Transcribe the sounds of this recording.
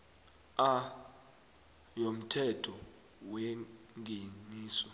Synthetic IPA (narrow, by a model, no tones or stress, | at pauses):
a | jom̩tʰɛtʰɔ | wɛ | ŋɡʱeniːsɔ